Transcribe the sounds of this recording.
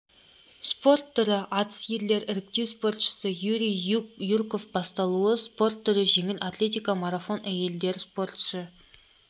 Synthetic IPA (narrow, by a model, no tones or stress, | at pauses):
spo̞rt̪ʰːʏɾɪʔɑt̪ə̥sje̞ɾle̞ɾɪɾɪk̚t̪e̞wspo̞ɾt̪ʃə̥səjuɾʲijjuɾko̞fbɑst̪ɑlˠuəspo̞rt̪ʰːʏɾɪʒe̞ŋɪlʔat̪lʲe̞t̪ijkamaɾafo̞nʔæje̞ld̪e̞ɾspo̞ɾt̪ʃə